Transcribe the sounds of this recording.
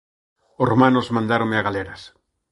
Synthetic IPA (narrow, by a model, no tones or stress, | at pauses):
ʊsromãnʊzmãnd̪aɾõŋmɪaɣalɛɾas